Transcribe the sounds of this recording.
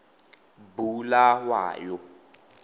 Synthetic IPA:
bulawa̰ːjɔ

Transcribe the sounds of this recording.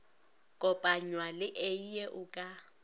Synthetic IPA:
kʼɔpʼaɲwalɪʔeijɛʔʊkʼa

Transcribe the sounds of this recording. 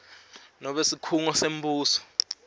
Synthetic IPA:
nɔɓesikʰuŋɔsem̩buːsɔ̥

